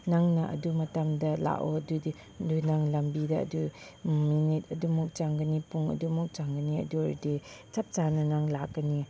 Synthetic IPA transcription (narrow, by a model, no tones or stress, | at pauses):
naŋnɐʔɐ̰dumɐtamdɐla̰ʔoɐdudi | ndunaŋlɐmbidɐ̰ːduminit̚ɐdumɔk̚t͡ʃaŋɡɐnipuŋɐ̰dumɔk̚t͡ʃaŋɡɐniɐ̰duɾdit͡ʃap̚t͡ʃanɐnaŋlakːɐni